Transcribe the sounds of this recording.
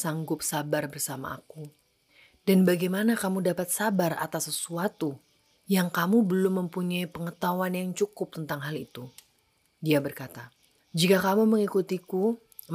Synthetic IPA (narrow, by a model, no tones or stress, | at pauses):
saŋɡʊp̚sabarbərsama̰ːku | danbaɡajmanakamudapat̪sabara̰t̪asːəsuat̪u | jaŋkamubəlʊmːəmpuɲaipəŋət̪awanjaŋt͡ʃukʊp̚t̪ənt̪aŋɦalit̪u | diabərkat̪a | d͡ʒikakamuməŋikut̪iku